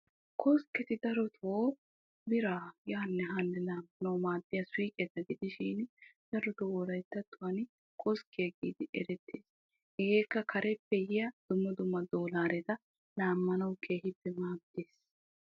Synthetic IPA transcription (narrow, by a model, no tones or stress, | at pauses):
kɔskːɛt̪ɪd̪ɐɾɔt̪ʰoː | bɪɾaːjaːnːɛɦɐnːɛlaːmːɐnɐwmaːd̪ːɪjɐswiːkʼɛt̪ɐɡɪd̪ɪʃiːnd̪̥ɐɾɔt̪owɔɾɐjt̪ːɐt̪ːʊwɐn | kʼɔskːɪjɐɡḭːd̪ɪʔɛ̰ɾɛt̪ːeːs | ɪɡeːkːɐkʰɐɾɛpːɛjɪjɐd̪̥ʊmːɐd̪ʊmːɐd̪oːlaːɾɛt̪ɐ | laːmːɐnɐwkʰeːhɪd̪ɛmaːd̪eːs